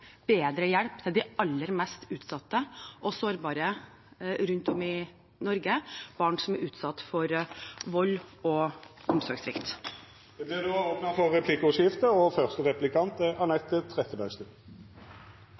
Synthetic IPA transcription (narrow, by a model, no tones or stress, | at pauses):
b̥eːd̪ɾəjæɽpt̪ʰɪld̪ɪɑlːəɾmɛst̪ʉːt̪sɑt̪ːəʔɔsoːɾbɑːɾə | ɾʉnt̪ɔmɪ | nɔɾɡəb̥ɑːɳsɔmæɾʔʉːt̪sɑt̪ːfɔɾʋɔlːɔɔmsɔɾɡsɾɪkt̪ | d̪ɛblɪd̪oːoːpnɑfɔːɛpʰlikəʊʂɪft̪əɔfœʁst̪əʁɛplɪkʰɑnt̪əʔɑnɛt̪ːət̪ʰʁɛt̪əbœst̪ʉ